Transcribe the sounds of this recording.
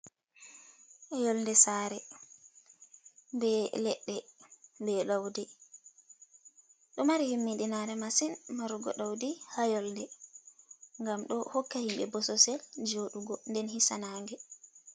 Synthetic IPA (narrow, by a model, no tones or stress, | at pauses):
ʔɛjɔlndɛsaːɾɛ | bɛlɛɗːɛbɛɗawdɛ | ɗɔmaɾihimːiɗinaɾɛmasinmaɾuɡɔ̰ɗawdihajɔlndɛ | ŋɡamɗɔhɔkːahimɓɛbɔsɔsɛld͡ʒoɗuɡɔndɛnhisanaːŋɡɛ